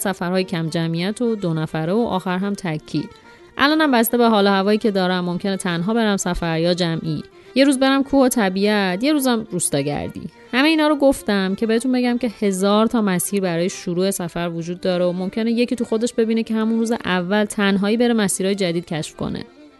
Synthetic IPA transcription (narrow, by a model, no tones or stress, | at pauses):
sæfæɾhɒːjecʰæmd͡ʒæmijæt̪ʰod̪onæfæɾeoʔɒːxæɾɦæmt̪ʰæcʰːḭːd̪̥ | ʔæ̰lɒːnæmbæst̪e̞beɦɒːlohævɒːjiːcʰe̞d̪ɒːɾæmːo̞mcʲʰe̞net̪ʰænɦɒːbe̞ɾæmsæfæɾjɒːd͡ʒæmʔḭː | je̞ɾuːzbe̞ɾæmkʰuːho̞t̪ʰæbiːæt̪ʰje̞ɾuːzæmɾust̪ɒːɟæ̰ɾd̪ḭ | hæmeiːnɒːɾoɡo̞ft̪æmcʰe̞be̞et̪unbe̞ɟæmce̞he̞zɒːɾt̪ʰɒːmæsiːɾbæɾɒːjeʃuɾuːe̞sæfæɾvod͡ʒuːd̪ːɒːɾeomo̞mcʰe̞neje̞cʰiːt̪ʰuxo̞d̪e̞ʃbe̞biːnecʰe̞hæmunɾuːzeʔævːælt̪ʰænɦɒːiːbe̞ɾemæsiːɾɒːje̞d͡ʒæd̪id̪̥̚cʰæʃfko̰nḛ